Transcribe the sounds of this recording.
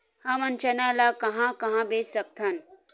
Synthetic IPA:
hɐmɐnt͡ʃɐnaːlaːkɐɦãkɐɦãbeːssɐk̚t̪ʰɐn

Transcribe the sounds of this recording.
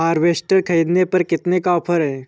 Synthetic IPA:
aːɾʋesʈəɾkʰəid̪nepəɾkɪt̪nekaːpʰəɾɦẽ

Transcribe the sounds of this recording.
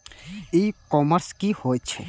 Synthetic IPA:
ikɔːməɾskihoːjt͡ʃʰɛ

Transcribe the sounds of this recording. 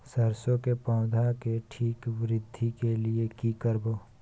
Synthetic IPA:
səɾsõkepãʊd̪ʱakeʈʰiːkʋɾɪd̪ʱːikeliekikəɾboː

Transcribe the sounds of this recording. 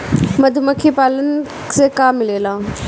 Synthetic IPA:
mɐd̪ʱʊmɐkʰipaːlən | sekaːmːɪleːlãː

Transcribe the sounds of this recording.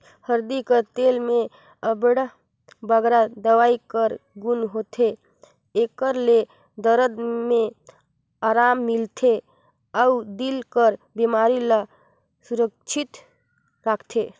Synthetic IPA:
həɾd̪ikət̪elmẽ | əbɽa | bəɡɾad̪əʋaikəɾɡunɦot̪ʰe | ekəɾle | d̪əɾəd̪mẽ | aɾamːilt̪ʰe | əud̪ilkəɾ | bimaɾila | suɾək̚t͡ʃʰit̪ | ɾakʰt̪ʰe

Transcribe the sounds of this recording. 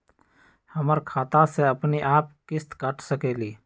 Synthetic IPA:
həməɾkʰaːt̪ãseəpniʔaːp̚kɪst̪kəʈʰsəkeːliː

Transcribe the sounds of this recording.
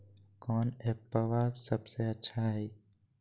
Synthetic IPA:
kɔːneəʋaːsəbseətːʃʰaɦɛː

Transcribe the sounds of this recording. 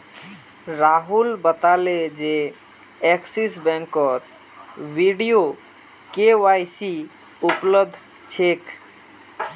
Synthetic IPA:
ɾaɦulbət̪aled͡ʒe | ɛksisbɛ̃ŋkːɔt̪ | ʋiɖijo | kewajsi | upləd̪ʱ | t͡ʃʰek

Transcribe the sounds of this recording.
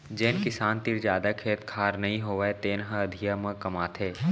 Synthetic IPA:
d͡ʒɛːnkɪsaːnt̪ɪɾd͡ʒjaːd̪akʰeːt̪kʰaːɾnɐɦĩɦoːʋaet̪eːnɦãɐd̪ʱijamə̃kɐmaːt̪ʰɦeː

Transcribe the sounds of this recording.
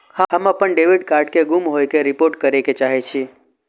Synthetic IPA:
hãɦəmãpəɳɖeʋiɖkaɾɖkeɡumɦojkeɾipoɾʈ̚kəɾeket͡ʃaɦet͡ʃʰi

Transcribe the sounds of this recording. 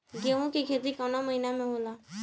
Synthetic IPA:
ɡeːʋũkikʰeːt̪̬ikanaməɦinamẽɦoːlaː

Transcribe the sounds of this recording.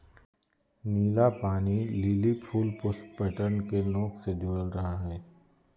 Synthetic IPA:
niːlapaːnililipʰuːlpʊspɛʈəɾnkenɔːksed̪ʱuːəlɾɐɦaɦɛː

